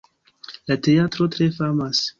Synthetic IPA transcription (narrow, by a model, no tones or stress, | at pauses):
lateatɾotɾefamas